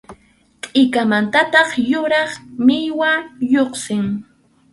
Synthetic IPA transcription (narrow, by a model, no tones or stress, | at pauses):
t̪ʼɪkamant̪at̪ɑχjʊɾɑχmɪjwajoχsɪŋ